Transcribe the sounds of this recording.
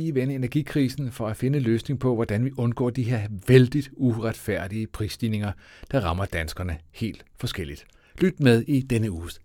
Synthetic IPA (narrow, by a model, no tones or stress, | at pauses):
iʋenəe̝næɐɡ̥ikʰʁiːsn̩fɒ̽æfe̝nəløːsne̝ŋpʰɒ̽ʋɒd̥ænʋiʔɔ̽nɡ̥ɒ̰ːd̥iɦe̝ɐʋeld̥id̥uʁad̥fæɐ̰d̥iəpʰʁisd̥iːne̝ŋɐ | d̥ɑ̈ʁɑ̈mɐd̥ænsɡ̥ɐnəhe̝̰ːld̥fɒ̽sɡ̥el̰id̥ | lyd̥með̞ˠid̥enəuː